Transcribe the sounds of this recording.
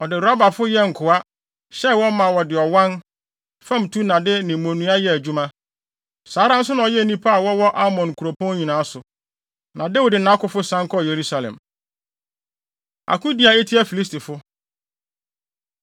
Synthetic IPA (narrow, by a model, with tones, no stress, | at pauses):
ɔ˨dɪ˨ɾa˦ba˨fʊ˦jɛ˦ŋ̩˨kʰʊ˨a˦ | ɕɛ˦wɔ̃˦mã˨wɔ˨dɪ˨ɔ˨wã˦n | fã˦m˨tʰu˦nã˨dɪ˦nɪ̃˨m˨mõ˨nũ˨˦a˦jɛ˦˨æ˨d͡ʑᶣu˦mã˦ | saː˨˦ɾã˦n̩˦s̬ʊ˦nã˨ɔ˨jɛ˦˨nĩ˦pʰa˦a˨wɔ˦wɔ˦ʔa˦mɔ̃˨n˨kʰu˨ɾo˨pʰɔ̃˦n˦ɲĩ˨nã˨˦sʊ˨ | nã˨dɛ˦wu˨dɪ˨nã˦kʊ˨fʊ˦sã˦ŋ˦kʰɔ˦˨je˨ɾu˦sa˨lɛ̰̃˨m | a̰˨kʰʊ̃˦di˨˦a˨e˦tʰi˦a˨fi˨li˦s̬ti˨fʊ˦